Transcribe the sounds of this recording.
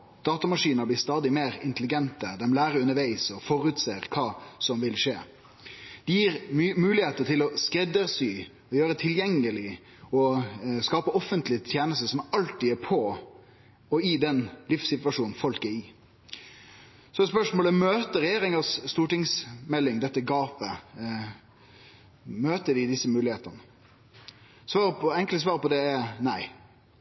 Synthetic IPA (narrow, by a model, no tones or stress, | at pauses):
d̪̥ɑːt̪ɑmɑʂiːnəɾblɪːst̪ɑːd̪ɪmeːɾɪnt̪əlɪɡɛnt̪əd̪ɛmlæːɾəʉnəɾʋæɪsɔfɔɾʉt̪seːɾkʰɑːsɔmʋɪlʂeː | d̪̥ɛjiːɾmʉːlɪheːt̪ət̪ʰɪlɔskɾɛd̪əɾsyː | ɔjøːɾət̪ʰɪljɛŋːəlɪ | ɔskɑːpəɔfənt̪lɪt̪ʰjeːnəst̪əsɔmɑlt̪iːæpʰɔ | ɔɪd̪ɛnlɪfsɪt̪ʋɑʂuːn̩fɔlkæɾɪ | sɔɛt̪spœʂmoːləmøːt̪əɾɛjeːɾɪŋɑsːt̪uːʈɪŋsmɛlːɪŋd̪ɛt̪ːəɡɑːpə | møːt̪əɖɪd̪ɪsːəmʉːlɪeːt̪ənə | sʋɑːɾpʰɔɛŋkls̬ʋɑːɾpɔd̪ɛæɾnæɪ